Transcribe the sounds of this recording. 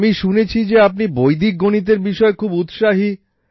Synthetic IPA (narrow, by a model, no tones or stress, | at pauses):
miʃunet͡ɕʰid͡ʑeap̚nibojd̪ʱik̚ɡonit̪̬eɾbiʃɔekʰubut̪ʃaɦi